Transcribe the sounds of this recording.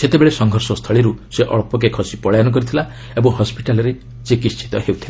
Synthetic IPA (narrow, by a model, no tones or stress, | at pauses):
set̪ebeɭesɔŋɡʱɔɾsɔst̪ʰɔɭiɾuseʔɔɭpɔk̬ekʰɔsipɔɭajanɔk̬ɔɾit̪ʰila | ebɔŋhɔspiʈalɔɾe | t͡ʃikit͡ʃʰi̥t̪ɔɦewt̪ʰila